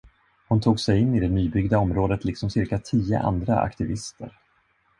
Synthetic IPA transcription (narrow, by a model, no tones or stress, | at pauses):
hʊnt̪ʰuːɡsɛjɪnːɪd̪ɛnyːbʏɡd̪aɔmɾoːd̪ət̪lɪksɔmsɪɾkat̪ʰiːə̰ʔa̰nd̪ɾa̰a̰kt̪ɪvɪst̪ʰə̰ɾ